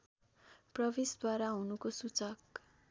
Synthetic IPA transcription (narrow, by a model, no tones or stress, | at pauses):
prʌbisd̪ʱwaɾaɦũnukosut͡sʌk